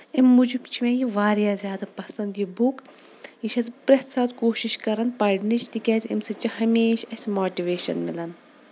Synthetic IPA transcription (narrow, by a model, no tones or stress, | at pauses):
imːud͡ʒibt͡ʃʰimẽjiʋaːɾjaːzʲjaːd̪ɐpɐsɐnd̪jibuk | iʃɐzpɾɐt̪saːt̪koːʃiʃkɐɾɐnpɐɖnit͡ʃʰt̪ikʲɛːzʲḭmsɨt͡ʃihɐmeːʃɐsʲmoːʈiʋeːʃɐnmilɐn